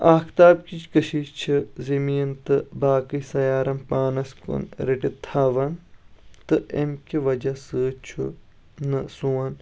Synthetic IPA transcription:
aːkʰt̪aːb̚kit͡ʃʰkɐʃiːt͡ʃʰizɐmiːnt̪ɨbaːkɨjsɐjaːɾɐmpaːnɐskṵnɾiʈit̪ʰaːʋɐnt̪ɨemkʲiʋɐd͡ʒɐsɨːt͡ʃʰu | nɨsuɐn

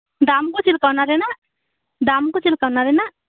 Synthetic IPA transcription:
d̪amkut͡ʃilkawnaɾɛna | d̪amkut͡ʃilkawnaɾɛna

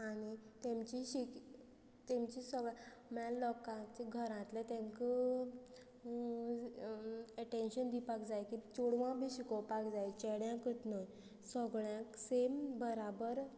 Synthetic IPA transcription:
aɽ̃it̪emt͡ɕiɕik | t̪emt͡ɕisəʋamallɔkãt͡ɕiɡʱəɾãt̪lɛt̪ẽŋkə | ɛʈenɕənd̪ipakd͡zajkit͡ɕuɽʋãbʱiɕikɔwpakd͡zajt͡ɕɛɽjãkət̪noj | sɔɡɭjãksembəɾabəɾ

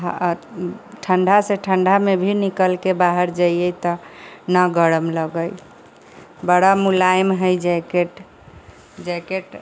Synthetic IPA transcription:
ɦ | ʈʰəɳɖʱaseʈʰəɳɖʱamebʱinikəlkebaɦəɾd͡ʒajəjt̪ɔnəɡəɽəmləɡəj | bəɽamulajmɦəjd͡ʒakeʈ | d͡ʒakeʈ

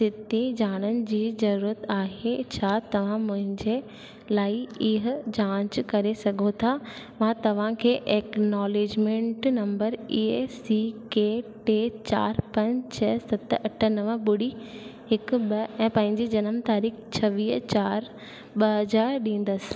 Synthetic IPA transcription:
sɪt̪id͡ʑaːɽ̃ənɪ̆d͡ʑiːzɐɾuːɾət̪aːɦet͡ɕʰaːt̪ɐʋ̤ãmʊ̃ɦɪ̃ɲd͡ʑe | laːɪɪɦ̆d͡ʑãːt͡ɕkɐɾesɐɡʱot̪ʰa | mãt̪ɐʋ̤ãkʰeːʔɛːknɔːleːd͡ʑmẽːɳʈnɐ̃mbəɾiesikeʈeːt͡ɕa̰ːɾpɐ̃ɲt͡ɕʰsɐt̪ɐʈʰənɐʋɓʊɽiɦɪkɓɐɛ̃ːpɐ̃ɦɪ̃ɲd͡ʑid͡ʑɐnəmt̪aːɾiːxt͡ɕʰɐʋiːɦt͡ɕaːɾ | ɓɐɦɐzaːɾɗĩːn̆d̪əsɪ̥̆

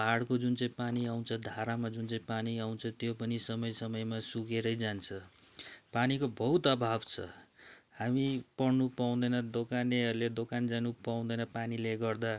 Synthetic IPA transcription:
aɽkod͡zunt͡sʌĩpaniaw̃t͡sʰʌd̪ʱaɾamad͡zunt͡sʌĩpaniaw̃nt͡sʰʌt̪jopʌnisʌmʌjsʌmʌjmasukeɾʌjd͡zant͡sʰʌ | panikobʌut̪ʌbʱabt͡sʰʌ̰hamipʌɽnupaw̃d̪ʌjnʌd̪okaneɦʌɾuled̪okand͡zanupaw̃d̪ʌjnʌpanileɡʌrd̪a

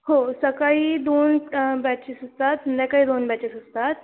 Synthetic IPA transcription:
ɦosəkaɦiːd̪onbɛt͡ɕisɦost̪at̪mənd̪ãkaɦiːd̪onbɛt͡ɕisɦost̪at̪̚

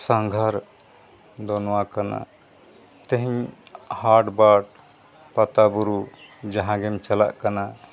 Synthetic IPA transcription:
saŋɡʱaɾ | d̪ɔnwakana̰ | t̪eɦiɲhaɾɖbaʈ̚ | pat̪abuɾu | d͡ʒaɦãɡɛmt͡ʃala̰ʔkana

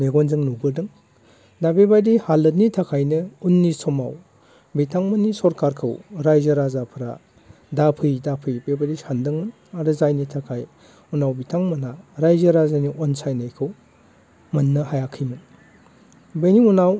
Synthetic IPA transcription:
meɡɔnzɯŋnubɯɾdɯŋ | dabebajdihalːɯt̚nitʰakʰajnɯunːisɔmaw | bitʰaŋmɯnːisɔɾkaɾkʰɯ̰wɾajzɐɾazapʰɾa̰ | dapʰɯjdapʰɯjbebadisandɯŋmɯn | aɾɯzajnitʰakʰaj | unawbitʰaŋmɐnaɾajzɐɾazaniʔɔnsajnajkʰɯw | mɐnːɯhajakʰijmɯŋ | beniunaw

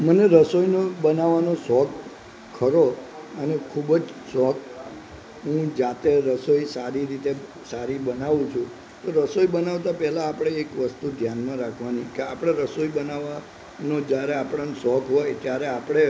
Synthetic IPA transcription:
məneɾəsojnobənaʋanosɔk | kʰːəɾoənekʰubəd͡ʒsɔk̚ | ɦũd͡ʒat̪eɾəsoisaɾiɾit̪e | saɾibənaʋũt͡ʃʰũ | t̪oɾəsojbənaʋt̪apɛɦlaːpɽ̃eːkʋəst̪ud̪ʱjanmãɾakʰʋanikeapɽ̃eɾəsoibənaʋa | nod͡ʒjaɾeapɽansɔkɦojt̪jaɾeapɽ̃e

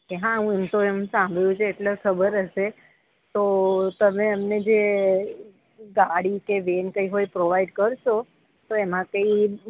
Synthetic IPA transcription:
keɦãəɦũemt̪oemsãmbʱɭjũt͡ʃʰeːʈlakʰəbəɾəʃe | t̪ot̪əmeəmned͡ʒe | ɡaɽikeʋenkəiɦoipɾoʋaiɖkəɾʃo | t̪oemãkəi

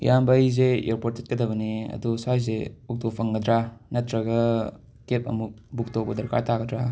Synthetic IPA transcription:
jʔambɐjzejoɾpot̚tet̚kɐdɐbɐniɐ̰dusajzeuk̚topʰɐŋɡɐdɾanɐtɾɐɡɐ | kep̚ɐ̰muk̚buk̚towbɐdɐɾkʰa̰ɾtʰaɡɐdɾa

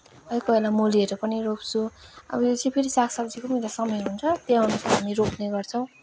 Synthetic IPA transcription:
ʌjkʌelamoliʌɾupʌniɾopt͡sʰuʌ̰bʌjot͡sʌ̃pʰeɾisakʰsʌbd͡zikomelasʌmʌjɦunt͡sʰʌt̪eawnusaɦamiɾopʰneɡʌrt͡sʰʌw̃

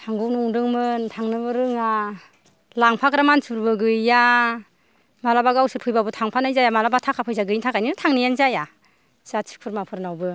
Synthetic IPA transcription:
tʰaŋɡɯwnɯuŋdɯŋmɯntʰaŋnɯbɯɾɯŋa | laŋpʰakɾamansʰuɾbɯɡɯjːa | malabaɡawsɯɾpʰɯjbabɯtʰaŋpʰanajzajamalabatʰakʰapʰɯjzaɡɯjintʰakajninɯtʰaŋnijanzaja | sat͡ʃʰi̥kpʰɯɾmapʰɯɾnawbɯ

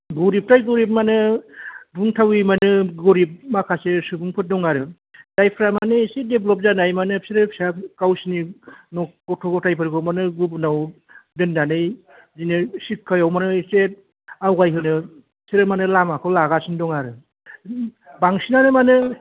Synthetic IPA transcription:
ɡuɾip̚tajɡɔɾip̬̚manɯ | buŋtʰawimanɯɡɔɾip̚makʰasesɯbuŋpʰɯt̚dɔŋaɾɯ | d̥ajpʰɾamanɯisedeblɔp̬̚zanajmanɯpʰsʰiɾɯpʰsakawsininɔɡɔtʰɔɡɔtʰajpʰɯɾɡɔmanɯɡubnaw | dɯndanɯj | zinɯsikʰːajawmanɯset̚ | awɡajɦɯnɯ | sʰiɾɯmanɯlamakʰɔlaɡasindɔŋaɾɯ | baŋsinanɯmanɯ

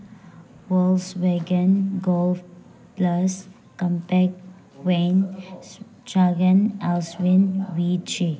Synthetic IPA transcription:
wɔlsweɡə̃nɡɔlf | plas | kə̃mpɛk | wẽn | t͡ʃaɡə̃nɛlswɪ̃nwit͡ʃe

